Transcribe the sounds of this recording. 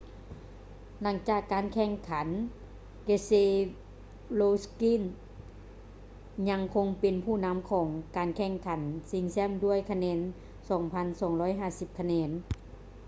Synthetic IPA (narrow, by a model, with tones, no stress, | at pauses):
la˩˦ŋt͡ɕaː˨˩kːaː˨nkʰɛ˧˩ŋkʰa˩˦n | keː˧se˧˥ | loː˧ski˧˥˨n | ɲa˧ŋkʰo˧ŋpe˨npʰuː˧˩na˧˥mkʰɔː˨˩˦ŋkaː˨nkʰɛː˧˩ŋkʰa˨˩˦nsi˧ŋsɛ˧˥˨mdu˥˩˨əjkʰa˧nɛː˧n | sɔː˨˩˦ŋpʰa˧nsɔː˩˦ŋɾɔː˧˥jɦaː˧˩si˨˧˦p̚kʰa˧nɛː˧˥n